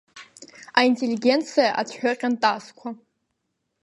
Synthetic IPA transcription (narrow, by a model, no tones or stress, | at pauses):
aintʼelʲiɡʲent͡sʰijaʔat͡sʰħʷᶣʊqʲʼantʼaskʷʰa